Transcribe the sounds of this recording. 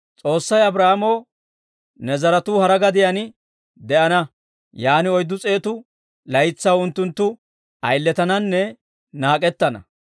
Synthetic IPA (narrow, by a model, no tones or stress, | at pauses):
t͡sʼo̞ːsːɐjɐbɾɐhamo̞ː | nɛzɐɾɐt̪uːhɐɾɐɡɐd̪ɪjɐn | d̪ɛʔɐnɐ | jaːnɪɔjd̪ːʊt͡sʼe̞ːt̪ʊ | lɐjt͡sːɐwʊnt̪ːʊnt̪ːʊ | ɐjlːɛt̪ɐnɐnːɛ | naːkʼɛt̪ːɐnɐ̰